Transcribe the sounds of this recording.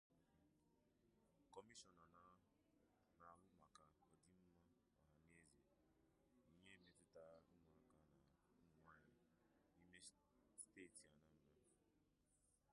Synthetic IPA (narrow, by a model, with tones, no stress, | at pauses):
kɔ˨mi˦ʃɔ˨na˨na˨˦ | na˨wʊ˦ma˨ka˨ɔ˨di˨˦m̩˦ma˦ | wa˨a˨n˦e˦e˦ze˨ | i˨ɲe˦mẽ˨˦tɪ˦ta˦ŋʷa˨ɡa˨na˨˦ŋʷa˦a˨ | i˦me˦ | steː˦˨ti˨a˨na˦m̩˦na˦